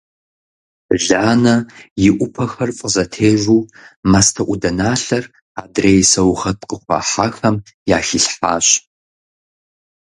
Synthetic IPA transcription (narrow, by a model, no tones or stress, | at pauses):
ɮaːnɐjɪʔʷʊpʰɐxɐrfʼəzɐtʰeːʒʷuːmastʰɐʔʷʊdɐnaːɬɐr | aːdreːjsɐwxɐtqəχʷɑ̰ːħaːxɐm | jaːxiɬħaːɕ